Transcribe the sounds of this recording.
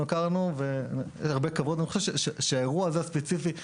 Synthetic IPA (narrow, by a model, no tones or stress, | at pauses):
okaʁanuveanjɛ̰ʃaʁbekavot̪anixoʃevʃeʃeʃeaeʁuaːzeaspet͡sifi